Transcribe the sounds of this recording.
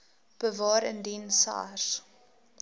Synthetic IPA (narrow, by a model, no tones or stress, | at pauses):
b̥əvɑːɾəndinsɑ̰ːs